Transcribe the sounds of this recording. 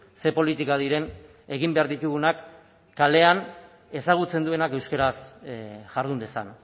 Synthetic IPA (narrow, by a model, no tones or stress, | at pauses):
se̞po̞lit̪ikaðiɾe̞n | e̞ɣimbe̞aɾðit̪uɣunakː | ale̞an | e̞saɣut͡se̞nd̪ue̞nake̞wskeɾasʝaɾðund̪e̞sa̰n